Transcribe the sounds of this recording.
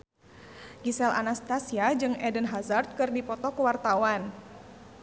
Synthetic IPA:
ɡisɛlʔa̰nast̪asiad͡ʒɨŋɛdənɦazart̪̚kɨrdipɔt̪ɔkuwart̪awan

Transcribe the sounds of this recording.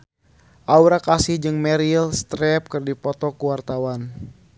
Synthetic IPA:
ʔauɾakasihd͡ʒɨŋmɛɾilst̪ɾɛp̚kɨrdipɔt̪ɔkuwart̪awan

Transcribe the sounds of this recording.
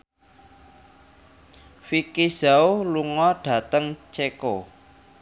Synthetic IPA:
fikizaoluŋɔɖ̥ä̤t̪əŋt͡ʃeko

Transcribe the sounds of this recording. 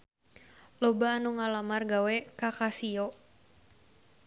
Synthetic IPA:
lɔbaːnuŋalamarɡawɛkakasiɔ

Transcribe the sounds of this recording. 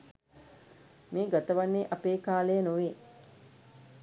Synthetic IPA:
meːɡat̪əʋanːeʔapeːkaːlejənoʋeː

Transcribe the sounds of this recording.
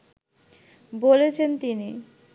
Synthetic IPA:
bolet͡ɕʰent̪ini

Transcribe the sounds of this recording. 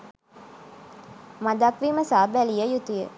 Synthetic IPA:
mad̪akʋiməsaːbælijəjut̪ujə

